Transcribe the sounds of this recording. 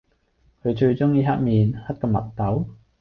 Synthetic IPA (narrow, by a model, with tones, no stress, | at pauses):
kʰɵ˨˧ɥt͡ʃɵ˧ɥt͡ʃʊ˥ŋjiː˧ɦɐ˥t̚miː˨˧nhɐ˥t̚kɔː˧mɐ̰˨˩t̚t̪ɐ˨˥w